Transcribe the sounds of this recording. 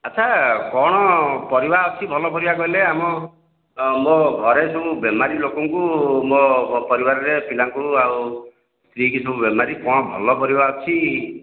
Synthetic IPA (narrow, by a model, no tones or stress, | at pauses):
at͡ʃʰakɔɽ̃ɔpɔɾibaɔt͡ʃʰibʱɔlɔpɔɾibakɔɦileamɔ | moɡʱɔɾesɔbubjɔmaɾilokɔŋkumopɔɾibaɾɔɾepilaŋkuaw | st̪ɾikisɔbubjɔmaɾikɔɽ̃ɔbʱɔ̰lɔpɔɾibaɔt͡ʃʰi